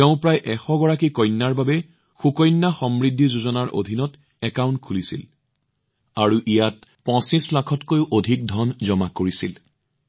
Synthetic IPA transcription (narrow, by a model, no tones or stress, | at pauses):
teʊ̃pɹajʔɛxɔɡɔɹakikɔjnːaɹbabɛ | xukɔjnːaxɔmɹidʱːizuzɔnaɹʔo̰dʱinɔt | ɛkaw̃ntkʰulisḭl | aɹuʔijat̚pɔ̃sislakʰɔtkojʊʔodʱik̚dʱɔnzɔmakoɹisil